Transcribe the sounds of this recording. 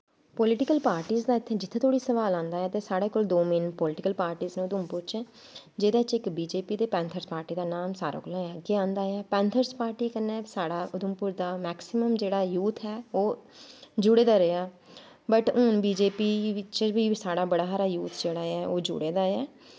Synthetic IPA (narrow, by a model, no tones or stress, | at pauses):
polɪʈɪkəlpaːɾʈiːzd̪aːɪt̪ʰːeːd͡ʒɪt̪ʰːeːt̪ʰoːɽiːsəʋaːlãːnd̪aːɛːt̪eːsaːɽeːkoːld̪oːmɪnpɔːlɪʈɪkəlpaːɾʈiːznũʊd̪ʊmpʊɾt͡ʃɛː | d͡ʒeːd̪aːɪt͡ʃɪkbiːd͡ʒeːpiːd̪eːpɛ̃ːnt̪ʰəɾspaːɾʈiːd̪aːnaːmsaːɾa̰ːkolõəɡeːãːnd̪aːɛːpɛ̃ːnt̪ʰəɾspaːɾʈiːkənːɛːsaːɽaːʔʊd̪ʊmpʊːɾd̪aːmɛːksɪməmd͡ʒeːɽaːjuːt̪ʰɛːoː | d͡ʒʊɽeːd̪aːɾeaː | bəʈʊnbiːd͡ʒeːpiːɪt͡ʃbiːsaːɽaːbəɽaːɦaɾaːjuːt̪ʰd͡ʒeːɽaːɛːʔoːd͡ʒʊ̰ɽeːd̪aːɛː